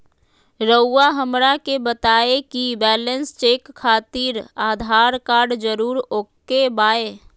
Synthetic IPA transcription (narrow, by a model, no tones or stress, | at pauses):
ɾəuaɦəmɾakebət̪aːekibɛːlənst͡ʃeːkʰːaːt̪iɾaːd̪ʱaːɾkaːɾɖd͡ʒəɾuːɾoːkːebaːe